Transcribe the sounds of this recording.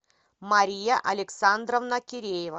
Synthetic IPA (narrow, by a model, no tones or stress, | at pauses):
mɐɾʲijaʔɐlʲɪksand̪rəvnɐkʲɪɾʲejɪvə